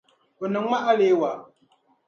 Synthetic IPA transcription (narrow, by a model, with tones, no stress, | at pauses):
ə˨nə˨ŋa˦ʔa˦le˦wa˨